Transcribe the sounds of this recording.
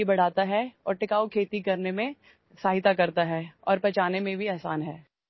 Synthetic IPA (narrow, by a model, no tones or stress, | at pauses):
ibɐɽ̤aːt̪aɦɛɔːɾʈɪkaːokʰeːt̪ikɐɾnemẽ | saːɦɪt̪akɐɾt̪aɦɛːɔ̰ːɾpɐt͡ʃaːnemẽbʱiɛɦsaːnɦɛː